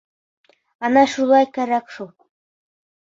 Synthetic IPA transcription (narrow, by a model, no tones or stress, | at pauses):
ɑnɑʃulˠɑjkæɾækʃu